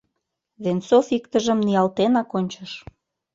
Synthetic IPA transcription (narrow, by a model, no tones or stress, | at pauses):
βent͡sofikt̪əʒə̆mniɑlt̪enɑkonʲt͡ɕəʃ